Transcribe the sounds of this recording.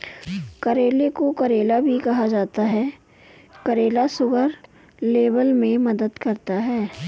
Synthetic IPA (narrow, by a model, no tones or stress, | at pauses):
kɐɾeːlekokɐɾeːlabʱikɐɦad͡ʒaːt̪aɦɛː | kɐɾeːlasʊɡəɾ | leːbəlmẽmɐd̪əd̪kɐɾt̪aɦɛː